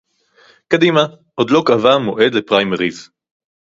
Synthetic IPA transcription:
kad̪ima | ʔod̪lo̞kavamo̞ʔe̞d̪lepʁajmeʁiz

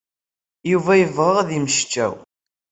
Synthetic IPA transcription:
juvæjəvʁəʁðiməʃt͡ʃːæ̰w

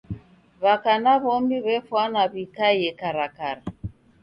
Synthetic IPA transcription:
βakanaβɔmbiβɛfwanaβikajɛkaɾakaɾa

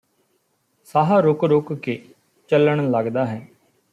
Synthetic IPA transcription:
saːɦaɾokɾoːkke | t͡ʃələɳ̃ləɡd̪aːɦɛː

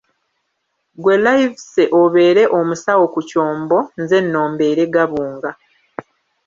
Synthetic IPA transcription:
ɡwelajivseʔoβe̞ːɾe̞ʔomusawo̞kuco̞ːmbo̞nze̞nːo̞ːmbe̞ːɾe̞ɡaβuːŋɡa

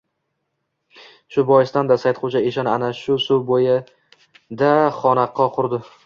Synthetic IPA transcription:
ʃʊbɒjɪst̪and̪asajt̪qʰot͡ʃʰaeʃanɪanaʃʊsubojɪ | d̪aχɒnaqʰːɒqʰʊɾd̪ɪ

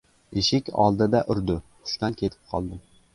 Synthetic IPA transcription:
eʃɪkʲɑ̰lˠd̪ɨd̪aʔʊɾd̪ʊχʊ̥ʃt̪ɑnkʲʰet̪ʰɪ̥p̚qʰɒ̰lˠd̪ɪm

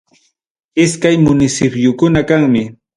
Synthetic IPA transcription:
ɪskajmʊnɪsɪpjʊkʊnakaŋmɪ

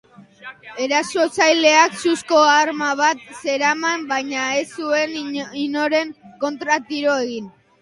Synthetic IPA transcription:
e̞ɾaso̞t͡sajle̞aksusko̞aɾmaβat̪̚se̞ɾamambajɲae̞sue̞nino̞ɾe̞ŋko̞nt̪ɾat̪iɾo̞e̞ɣin

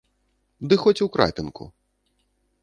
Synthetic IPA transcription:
d̪ɨxɔt͡sʲwkɾa̰t̪ɨnkṵ

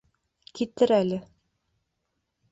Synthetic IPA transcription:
kit̪ɘɾælɘ

